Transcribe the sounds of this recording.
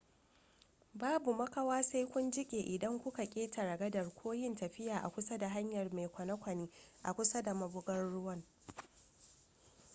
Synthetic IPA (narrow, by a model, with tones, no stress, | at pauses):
baː˦bu˨mɐ˦kɐ˦waː˦sa˦jkʷʊ˦nd͡ʒɪ˦kʲʼeː˨ʔɪ˨dɐ˦ŋkʷʊ˦ka˨kʲʼeː˦tʰa˨ɽɐ˨ɡɐ˦dɐ˨rkʷʰoː˦jɪ˦ntɐ˨ɸɪ˦jaː˨ʔa̰˨kʷʊ˦sɐ˦da˨ɦa˦ɲjɐ˨rma˨jkʷɐ˨nɐ˦kʷɐ˨niː˦ʔa̰˨kʷʊ˦sɐ˦da˨mɐ˦bʊ˦ɡɐ˦nɽʊ˦wɐ˦ŋ